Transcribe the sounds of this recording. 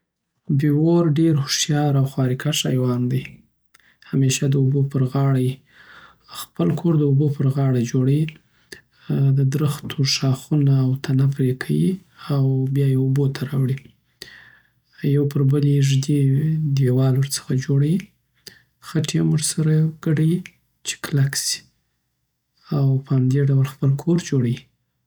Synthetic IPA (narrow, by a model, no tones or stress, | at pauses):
bewoɾɖeɾhʊʃjɑɾawxwɑɾikʰaʃɑjwɑnd̪aj | hameʃad̪əubopəɾɣɑɽaji | xpəlkʰoɾd̪əubopəɾɣɑɽad͡ʒoɽawi | d̪əd̪ɾəxt̪ʰoʂɑxunaːwt̪ʰanapɾekʰawiawbjɑjeobot̪ʰaɾɑwɽi | jawpəɾbəleʒd̪ed̪ewɑlwəɾt͡sə̥xad͡ʒoɽawi | xaʈʰemuʐsaɾaɡ̥əɖaji | t͡ʃe̥klaksi̥ | awpəhamd̪eɖawlxpəlkʰoɾd͡ʒoɽawi